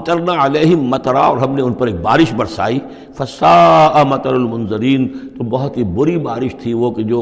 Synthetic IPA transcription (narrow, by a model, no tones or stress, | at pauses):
t̪ɐɾnaɐleːɦɪmːɐt̪ɾaɔːɾɦɐmnẽʊnpɐɾeːk̚baːɾɪʃbɐɾsa̰ːiː | fɐsaːʔɐmɐt̪ɐɾɐlmʊnzɐɾiːnt̪obɐɦʊt̪ibʊɾibaːɾɪʃt̪ʰiʋoːkɪd͡ʒoː